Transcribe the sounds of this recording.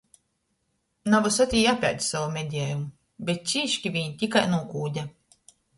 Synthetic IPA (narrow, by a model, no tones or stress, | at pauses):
navɔsat̪ʲiːjapʲa̰ːd̪ʲsavumʲed̪ʲiɛːjumu | bʲet̪̚t͡ʃiːʃkʲivʲiɲit̪ʲikajnuɔkuːd̪ʲa